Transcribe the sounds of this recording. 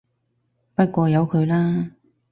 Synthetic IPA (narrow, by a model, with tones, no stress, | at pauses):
pɐ˥t̚kʷɔː˧jɐ˨˧wkʰɵ˨˧ɥlaː˥